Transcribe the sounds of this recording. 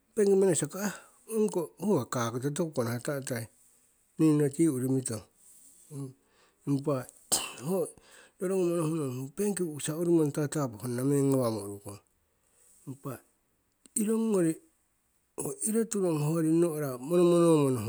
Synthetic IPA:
peŋɡimanosaka | ŋkohuakakot̬at̬okkonahatataj | ninotiuɾimito | imp̬a | hodoɾoŋmonohunopeŋkiusauɾimontataphonameŋoβamoɾuko | impa | iɾoŋːoɾi | hoiɾotuɾoŋhoɾinoɾamonomonomonoɦ

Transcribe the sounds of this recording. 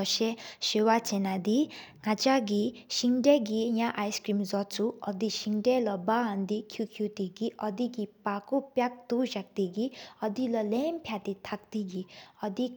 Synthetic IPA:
ɔʃɛʃiwat͡ʃɛnad̪i | ŋat͡ʃaɡiʃiŋɖɛɡijãʔajskɾimzɔt͡suʌd̪iʃiŋɖɛlɔbaɦʌnd̪ikʰjukʰjut̪iɡiʔʌd̪iɡipakopjak̚t̪uʑak̚t̪iɡiʌd̪ilɔlɛmpʰjat̪it̪ʰak̚d̪iɡiʌd̪i

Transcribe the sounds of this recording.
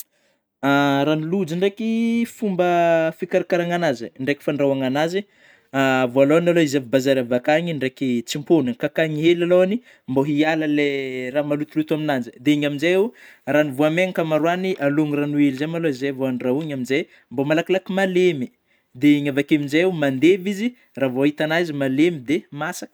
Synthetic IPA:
aɾanulud͡ʒiɳɖ͡ʐekifumbəfikaɾakaɾaŋanazə̰ɳɖ͡ʐeki̥faɳɖ͡ʐawaŋanazi | avoaloanaloizavibazaɾavakaɲiɳɖ͡ʐekit͡simpunəkakaɲielaloani | mboɦialəleramalut̪ulut̪waminand͡ʒə̥d̪eiɲaminzejuranivoameŋikamaɾwaniʔaluŋiranuelizamaloizajvoanrauɲaminzaj | mbomalakilakimalemi | d̪eiɲavakeminzeumand̪evizi | raːvoɦit̪anazimalemid̪emasak

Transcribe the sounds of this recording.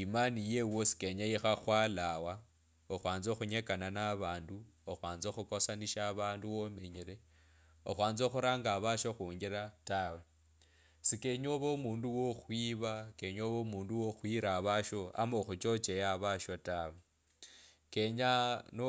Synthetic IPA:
imanije̞wo̞si̥ke̞ɲajixaxwaːlawa | oxwaːnzoxuɲekananaβaːnduoxwaːnzoxukosaniʃaːβaːnduwo̞me̞ɲeɾe̞ | o̰xwaːnzoxuɾaːŋɡaːβaʃoxuːɲɡiɾataːwe̞ | sike̞ɲoβomuːnduwo̞xwiːβake̞ɲoβomuːnduwoxwiɾaβaʃo̞a̰moxut͡ʃo̞t͡ʃejaβaʃo̞tawe | ke̞ɲano

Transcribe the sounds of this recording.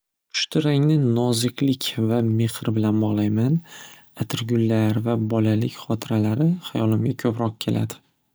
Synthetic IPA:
ʊ̥ʃt̪ʰɪɾaŋnɪnɒzɪkʲlɪkʲvame̞χɾbɪlanbɒʁlˠajman | at̪ʰɪɾɡʲʊlːaɾvabɒlalɪkʲχɒt̪ʰɪɾalaɾɪhajɒlɪmɡʲakʰɵpɾɒq̚kʲʰe̞lʔa̰d̪ɪ̥

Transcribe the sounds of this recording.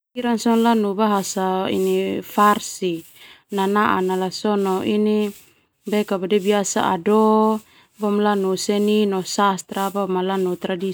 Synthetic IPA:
iɾansɔnlanubaɦasaḭnifarsi | nanaʔa̰nalasɔnɔini | bɛkabadɛbiasa̰ʔadɔ | bamalanusɛninɔsast̪ɾabamalanut̪ɾadi

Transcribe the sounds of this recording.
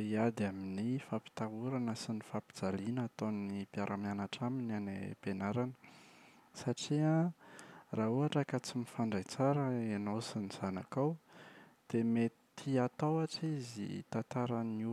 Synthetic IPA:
iad̪aminifapi̥t̪auɾanəsinifapid͡zalinəat̪onipjaɾʔamanaʈ͡ʂaminanḛpenaɾanə̥ | saʈ͡ʂia | rauaʈ͡ʂəkat͡simifaɳɖ͡ʐajt͡saɾəenosiniz̥anakaw | d̪̥emet̪t̪ʰiat̪awaʈ͡ʂizḭt̪ant̪aɾanu

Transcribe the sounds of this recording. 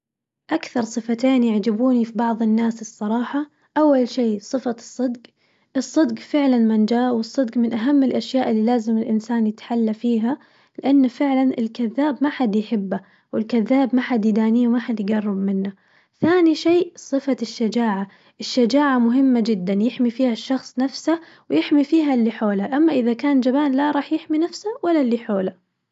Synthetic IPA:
ʔakθɑɾˤsˤɨfat̪eːnjaʕd͡ʒabuːnifibɑʕðˤɪnːaːsɨsˤːɑɾˤɑːħɑ | ʔawːalʃeːsˤɨfasˤːɨd̪q | ʔɨsˤːɨd̪qfɪʕlanmand͡ʒaːʔwɨsˤːɨd̪qmɪnʔaɦamːɪlʔaʃjaːʔɪlːilaːzɪmɪlʔɪnsaːnjɪt̪ħalːafiːɦa | lɪʔanːfɪʕlanɪ̰lkaðːaːbmaħad̪jħɪbːa | wɪlkaðːaːbmaħad̪jɪd̪aːniːwmaħad̪jɡɑrˤːɪbmɪnːa | θaːniʃeːʔsˤɨfaʃːad͡ʒaːʕa | ʔɪʃːad͡ʒaːʕamʊɦɪmːad͡ʒɪd̪ːanjɪħmifiːhaʃːɑxsˤnafsa | wjɪħmifiːɦalːiħoːlaʔamːaʔɪðakaːnd͡ʒabaːnlaɾˤɑːħjɪħminafsawalːalːiħoːla

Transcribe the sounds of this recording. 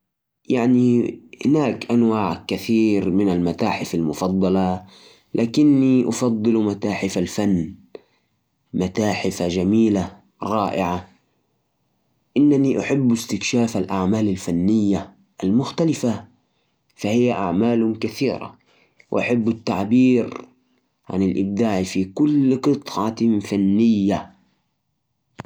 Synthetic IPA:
jaʕnihɪnaːkʔanwaːʕkaθiːɾmɪnalmat̪aːħɪfalmʊfɑd̪ˤːɑlɑ | lʔaːkɪnːiʔɑfɑd̪ˤːɨlmat̪aːħɪfalfanː | mat̪aːħɪfad͡ʒamiːla | ɾˤɑːʔɪʕa | ʔɪnːaniʔaħɪbːɪst̪ɪkʃaːfalʔaʕmaːlalfanːɪjːa | ʔalmʊxt̪alɪfa | fahɪjːaʔaʕmaːlkaθiːɾa̰ | wʔaħɪbːat̪ːaʕbiːɾ | ʕa̰nalʔɪb̚d̪aːʕfikʊlːqɨt̪ˤʕɑfanːɪjːa

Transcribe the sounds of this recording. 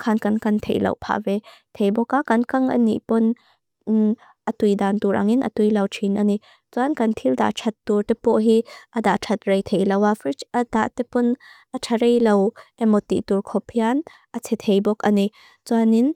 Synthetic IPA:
kʰankɐnkɐnt̪ʰejlɐ̰wpʰa̰vɛ | t̪ʰejbɔkakɐnkɐŋʔə̰nḭʔpɔn | ʔət̪ujd̪ant̪uɾʔɐ̰ŋinʔə̰t̪ujlɐwtʰinʔani | t͡suankɐnt̪ʰild̪a̰ʔt͡ʃʰɐt̪ːurtɛpɔʔɦiʔəd̪aʔtʰɐt̪̚ɾɐjt̪ʰejlɐwafit͡ʃəd̪aʔt̪ɛpɔnʔɐtʰɐɾejlowʔɛmɔt̪ḭturkʰɔpʰian | ʔət͡sʰɛt̪ʰejbɔkani | t͡sanin

